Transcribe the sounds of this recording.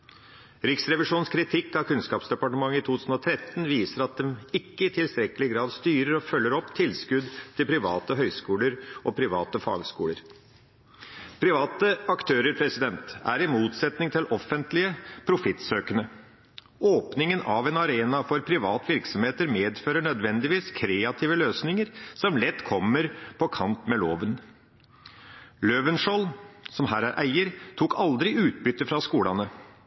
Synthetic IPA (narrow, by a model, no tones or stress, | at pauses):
ɾɪksɾɛʋɪʂuːnskʰɾɪt̪ʰɪkːɑkʰʉnskɑːpsd̪ɛpɑʈəmɑŋːəɪt̪ʰuːʉːsn̩ɔt̪ʰɾɛt̪n̩ʋiːsəɾɑt̪̚d̪ɛmɪkːəɪt̪ʰɪlst̪ɾɛkəlɪɡɾɑːd̪st̪yːɾəɾɔfœlːəɾɔpːt̪ʰɪlskʉd̪t̪ʰɪlpʰɾɪʋɑ̰ːt̪əɦœʏskuːləɾʔɔpʰɾɪʋɑ̰ːt̪əfɑ̰ːɡskṵːləɾ | pʰɾɪʋɑːt̪əɑkt̪ʰøːɾəɾpʰɾɛsɪd̪ɛnt̪æɾɪmuːt̪sɛt̪nɪŋt̪ʰɪlʔɔfənt̪lɪəpʰɾʊfɪt̪ːsøːkənə | oːpnɪŋənʔɑʋɛnɑɾeːnɑfɔɾpʰɾɪʋɑːt̪ʋɪɾksɔmheːt̪əɾmeːd̪føːɾəɳœd̪ʋɛnd̪ɪʋiːskʰɾeːɑt̪ʰiːʋəløːsnɪŋəɾsɔmlɛt̪ːkʰɔmːəɾpʰɔkʰɑnt̪mɛloːʋən | løʋənʂoːlsɔmhæːɾæɾʔæɪəɾt̪ʰuːkɑld̪ɾɪʔʉːt̪̚bʏt̪ːəfɾɑskuːlɑnə